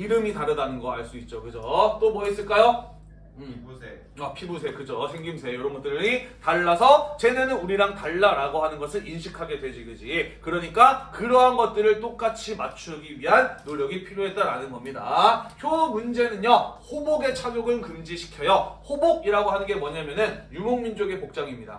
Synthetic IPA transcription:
iɾɯmitaɾɯdanɯnɡʌaɭs͈uit̚t͡ɕ͈okɯd͡ʑot͈omʌis͈ɯɭk͈ajo | apʰibusʰe̞kɯd͡ʑosʰe̞ŋɡimsʰe̞joɾʌmɡont͈ɯɾɯɾitaɭːasʰʌt͡ɕe̞nenɯnuɾiɾaŋtaɭːaɾaɡoɦanɯnɡʌsʰɯɾinɕʰikʰaɡe̞dwe̞d͡ʑiɡɯd͡ʑikɯɾʌɲik͈akɯɾʌɦanɡʌt̚t͈ɯɾɯɭt͈ok͈at͡ɕʰimat͡ɕʰuɡiɥiɦanːoʎjʌɡipʰiɾjoɦe̞t̚t͈aɾanɯnɡʌmɲidaçjomund͡ʑe̞nɯnjʌhoboɡe̞t͡ɕʰaɡjoɡɯnkɯmd͡ʑiɕʰi̥kʰjʌjʌhoboɡiɾaɡoɦanɯnɡe̞mwʌɲamjʌnɯnjumoŋmind͡ʑoɡe̞pok̚t͡ɕ͈aŋimɲida̰

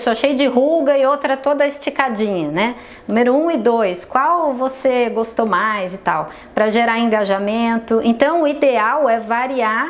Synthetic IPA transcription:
saʃejʊd͡ʒɪɦuɡɐɪowt̪ɾɐt̪od̪ɐɪst͡ʃikad͡ʒĩɲɐnɛ | ũmeɾʊũɪd̪ojskwawvoseɡost̪omajzɪt̪aw | pɾɐʒeɾaẽŋɡaʒamẽnt̪ʊʔẽnt̪ɐ̃w̃ʊid̪eawɛvaɾia

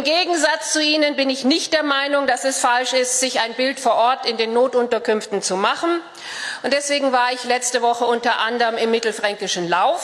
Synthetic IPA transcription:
ɪmɡeːɡŋ̩zat͡st͡suʔiːnənbɪnɪçnɪçt̚d̥eːɐmaɪnʊŋdasɛsfalʃɪstz̥ɪçaɪnbɪltfoːɐʔɔɐtɪndeːnːoːtʔʊntɐkʏnftn̩t͡sumaχn̩ | ʔʊntd̥ɛsv̥eːɡŋ̩vaːɐɪçlɛt͡stəvɔχəʊntɐʔandəʁəmɪmːɪtl̩fʁ̥ɛŋkɪʃn̩laʊf

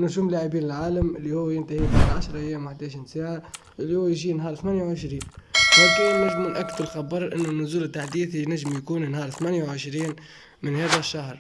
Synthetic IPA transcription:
nʊʒuːmlaːʕibiːnɪlʕaːlamʔɪlːihʊwːjɪnt̪ahibaʕaʃɾˤɑʔæjːæːmwaħd̪aʃinsaːʕa | ʔɪlːihʊwjʒiːnɦɑːɾˤθmæːnjawʕɪʃɾiːnhæk̪unæʒmɪnʔækːd̪lxabːəɾˤʔɪnːʊnːʊzuːlɪt̪ːaħd̪iːθinæʒːɪmjakuːnnhɑːɾˤθmænjawʕɪʃɾiːn | mɪnhɛːðæʃːahɾˤ

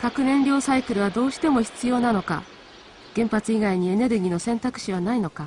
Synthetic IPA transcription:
kakɯ̟nẽ̞nɾʲo̞ːsaikɯ̟ɾɯ̟β̞ad̪o̞ːɕi̥t̪e̞mo̞çi̥t͡sɨjo̞ːnano̞ka̰ | ɡ̥ẽ̞mpat͡sɨiɡaiɲ̟ie̞ne̞ɾɯ̟ɡʲino̞sẽ̞nt̪akɯ̟̥ɕiβ̞anaino̞ka

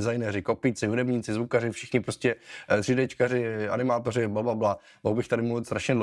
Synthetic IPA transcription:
zajnɛːɾɪko̞piːt͡sɪɦudɛbɲiːt͡sɪzvukarɪfʃɪxɲɪpɾoscɛt̪r̥idɛt͡ʃkarɪʔa̰nɪmaːt̪oɾɪblababla | moɦbɪxt̪adɪmust̪ɾaʃɲɛdl

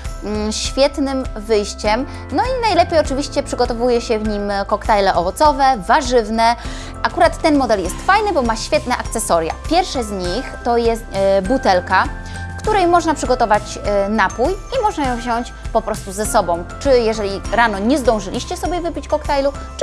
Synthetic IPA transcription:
ɕfʲjɛt̪nɘmvɘjɕt͡ɕɛm | nɔinajlɛpʲjejɔt͡ʂɘvʲiɕt͡ɕɛpʂɘɡɔt̪ɔvujɛɕɛvɲimkɔkt̪ajlɛʔɔvɔt̪sɔvɛvaʐɘvnɛ | akuɾat̪ːɛnmɔd̪ɛljɛst̪fajnɘbɔmaɕfʲjɛt̪nɛʔak̚t̪sɛsɔɾja̰pʲjɛɾfʂɛzɲixt̪ɔjɛst̪but̪ɛlka | kt̪uɾɛjmɔʐnapʂɘɡɔt̪ɔvat͡ɕ | napujimɔʐnajɔ̃w̃vʑɔɲt͡ɕ | pɔpɾɔst̪uzɛsɔbɔ̃w̃t͡ʂɘjɛʐɛlʲiɾanɔɲɛzd̪ɔ̃w̃ʐɘlʲiɕt͡ɕɛsɔbʲjɛvɘpʲit͡ɕkɔkt̪ajlu | t͡ʂ

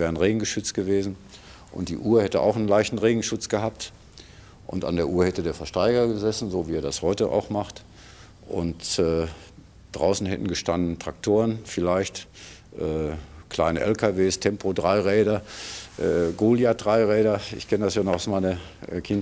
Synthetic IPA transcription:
vɛːʁənʁeːɡŋ̩ɡəʃʏt͡st̚ɡ̥əveːzn̩ | ʔʊ̰nt̚d̥ḭːʔuːɐhɛtəʔa̰ʊxnənlaɪçtn̩ʁeːɡŋ̩ʃʊt͡sɡ̥əhaːp̚t | ʔʊ̰nta̰ndeːɐʔuːɐhɛtədeːɐfɛɐʃtaɪɡɐɡəzɛsn̩zoːviːeːɐdashɔʏtəʔa̰ʊxmaχt | ʔʊ̰ntɛː | d̥ʁaʊsn̩hɛ̰tn̩ɡəʃtandn̩tʁ̥ak̚tʰoːʁənfɪlaɪçt | ʔɛːkl̥aɪnəʔɛlkʰaveːstʰɛmpʰodʁaɪʁɛːɾɐʔɛːɡoːljad̥ʁaɪʁɛːɾɐʔɪ̰çkʰɛnədasjaːnɔχaʊsmaɪnɐ | ʔkʰɪn

